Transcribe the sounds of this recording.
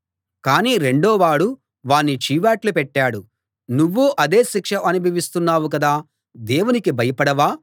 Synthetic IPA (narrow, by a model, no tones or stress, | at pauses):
kaːniːɾe̞ɳɖoːʋaːɽu | ʋaːnːit͡ʃiːʋaːʈlupɛʈːaːɽu | nuʋːuʔɐd̪e̞ːʃikʂɐʔɐnubʱɐʋist̪unːaːwuk̬ɐd̪aː | d̪eːwunikibʱɐjɐpɐɽɐʋaː